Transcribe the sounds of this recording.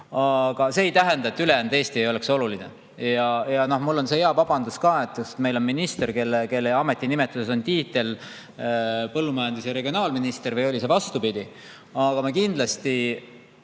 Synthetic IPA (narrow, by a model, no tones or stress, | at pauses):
ɑɡ̥ɑse̞ːjt̪æɦe̞nd̪ɑe̞t̪ːˑyle̞jænd̪eːst̪iejo̞le̞kso̞lulinḛ | jɑjɑno̞hmulːo̞nse̞eɑvɑb̥ɑnd̪uskɑːe̞t̪ːˑjust̪me̞jlo̞nminist̪e̞rke̞lːeke̞lːeɑme̞t̪ːˑinime̞t̪ːˑuse̞so̞nt̪iːt̪ˑe̞l | pɤlːumɑjɑnd̪isjɑɾe̞ɡio̞nɑːlminist̪eɾvejo̞lʲise̞vɑst̪upid̪i | ɑɡ̥ɑmɑkind̪̥lɑst̪i